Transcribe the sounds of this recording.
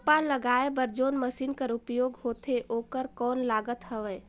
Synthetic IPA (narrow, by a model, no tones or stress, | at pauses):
paləɡaːebəɾd͡ʒoːnməsiːnkəɾʊpjoːɡɦoːt̪ʰeʔoːkəɾkɔːnlaːɡət̪ɦəʋɛː